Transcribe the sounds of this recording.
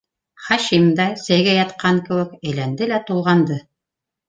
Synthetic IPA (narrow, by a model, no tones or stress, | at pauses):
χɑʃimd̪ɑsæjɡæjɑt̪qɑŋkɘ̆wɘ̆kæjlænd̪ɘlæt̪ulˠʁɑnd̪ɤ